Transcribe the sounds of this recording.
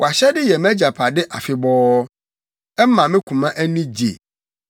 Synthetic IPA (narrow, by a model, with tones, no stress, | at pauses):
wɔ˨a˨ɕɛ˦dɪ˦jɛ˨mɛ̃˦d͡ʑa˨pʰa˨dɪ˦ʔa˨fɪ˨bɔː˦ | ɛ˦mã˨mɪ̃˦kʷʰũ˨mã˦ʔæ˦nĩ˦d͡ʑḛ˨